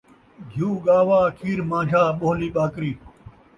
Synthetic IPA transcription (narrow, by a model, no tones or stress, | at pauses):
ɡʱjuːɡaːwaːkʰiːɾmãːd͡ʑaːɓoːliːɓaːkɾiː